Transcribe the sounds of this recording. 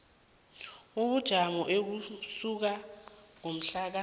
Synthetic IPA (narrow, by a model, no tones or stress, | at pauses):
uɓud̥ʒ̥ʱamɔʔek̬usuk̬aŋom̩ɬak̬a